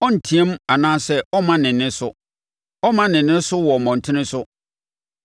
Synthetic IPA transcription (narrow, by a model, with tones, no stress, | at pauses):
ɔ˦n̩˨tʰĩ˦ɛ˦m˦a˨nãː˦sɛ˦ɔ˦mã˦nɪ̃˨nːɪ̃˦sʊ˦ | ɔ˦mã˦nɪ̃˨nɪ̃˦sʊ˦wɔ˨mɔ̃˨n̩˨tʰɪ̃˦nɪ̃˦sʊ˦